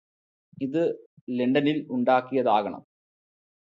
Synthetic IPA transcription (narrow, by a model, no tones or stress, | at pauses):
iðɨleɳɖɐniluɳɖaːkːijɐðaːɣɐɳɐ̰m